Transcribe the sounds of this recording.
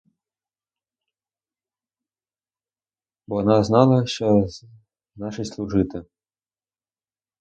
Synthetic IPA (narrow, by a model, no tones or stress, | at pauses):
bɔɔnaznɑlˠɐʃɔ | nɑʃɨjslˠuʐɪt̪ɪ